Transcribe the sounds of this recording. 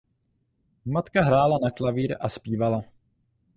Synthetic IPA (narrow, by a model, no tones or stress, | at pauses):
mat̪kaɦɾaːlanaklaviːɾʔa̰spiːvala